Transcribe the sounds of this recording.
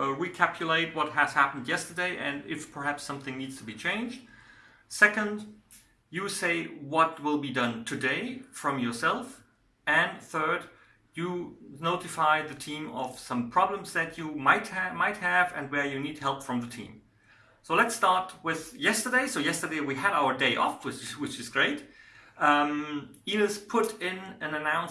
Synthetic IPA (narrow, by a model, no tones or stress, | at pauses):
ɹikʰæpʰjɨleɪt̚wʌt̚ɦɨz̥hæpn̩djɛstə˞deɪʔɨ̃nɪfpʰə˞ɦæpsʌ̃mθɪ̃ŋnidz̥tʰəbit͡ʃʰẽɪ̃nd͡ʒd̥̚ | sɛkə̃nd | jɨseɪwʌt̚wɪlˠbidʌ̃ntʰɨdeɪfɹʌ̃mjə˞sɛlˠf | ɨ̃nθɜ˞d | jɨnoʊɾɨfaɪðɨtʰĩmʌ̰v̥sʌ̃mpʰɹ̥ɑblə̃mzðɨt͡ʃɨmaɪt̚hmaɪt̚hɨvɨ̃nwə˞jɨnidhɛlˠpfɹʌ̃mðɨtʰḭ̃m | soʊlɨtstɑɹt̚wɪð̥jɛstə˞deɪsoʊjɛstə˞deɪwiɨɾaʊə˞deɪʔɔ̰fwɪt͡ʃwɨt͡ʃɨzɡɹeɪt | inɨspʰʊɾɪ̃nɨ̃nɨnãʊ̃n